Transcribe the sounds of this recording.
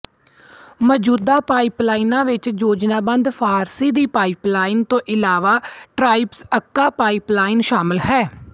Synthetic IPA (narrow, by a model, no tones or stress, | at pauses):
məd͡ʒuːd̪aːpaːiplaːinãːʋɪt͡ʃd͡ʒoːd͡ʒnaːbə̃nd̪pʰaːɾsiːd̪iːpaːɪplaːɪnt̪õːʔɪlaːʋaːʈɾaːɪpsəkːaːpaːɪplaːɪnʃaːmɪlɦɛː